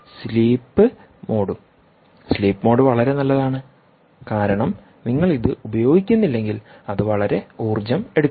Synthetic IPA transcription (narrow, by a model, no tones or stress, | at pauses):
sliːpːɨ | mo̞ːɽum | sliːpːɨmo̞ːɽuʋɐɭɐɾe̞nɐlːɐðaːɳɨ | kaːɾɐɳɐm | niŋːɐɭiðɨubɐjo̞ːɡikʲːunːilːe̞ŋɡilɐðɨʋɐɭɐɾe̞uːrd͡ʑɐme̞ɽukː